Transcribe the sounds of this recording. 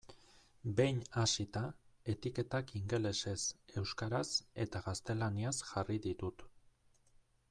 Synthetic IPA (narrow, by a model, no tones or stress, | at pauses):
be̞jɲasit̪ae̞t̪ike̞t̪akiŋɡe̞le̞se̞se̞wskaɾase̞t̪aɣast̪e̞laniasʝariðit̪ut̪